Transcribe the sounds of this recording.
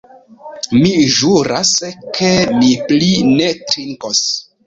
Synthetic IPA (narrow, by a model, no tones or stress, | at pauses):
miʒuɾaskʰemiplinetɾiŋkos